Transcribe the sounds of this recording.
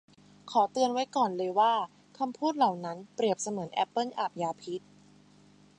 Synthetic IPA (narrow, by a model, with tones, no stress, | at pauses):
kʰɔː˩˦t̪ɯ˧ənwa˦˥jkɔː˨˩nlɤː˧jwaː˥˩ | kʰa˧mpʰuː˥˩t̪̚la˨˩wna˦˥npɾi˨˩əp̚sa˧mɯ˩˦nʔɛ˦˥pːɤ˥˩nʔa˨˩p̚jaː˧pʰi˦˥t̪̚